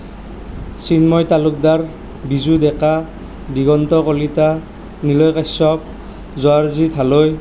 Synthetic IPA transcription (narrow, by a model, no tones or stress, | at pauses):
sinmɔjtalʊk̚daɹ | bizudɛka | diɡɔntɔkɔlita | nilɔjkasɔp̚ | zɔaɹzit̪ʰaloj